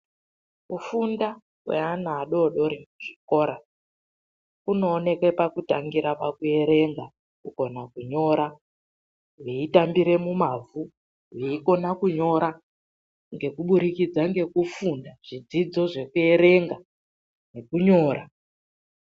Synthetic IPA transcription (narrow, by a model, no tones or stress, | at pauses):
kufunda | wḛanaːɗo̞ɗo̞ɾimuʐ̥iko̞ːɾa | kuno̞ːne̞kwe̞pakuta̰ŋɡiɾapakue̞ɾe̞ŋɡa | kuko̞nakuɲo̞ɾa | weitambiɾe̞mumavu | weiko̞nakuɲo̞ɾa | ŋɡe̞kuɓuɾikid͡zaŋɡe̞kufundaʐ̥id͡zid͡zo̞ʐe̞kue̞ɾe̞ŋɡa | ne̞kuɲo̞ːɾa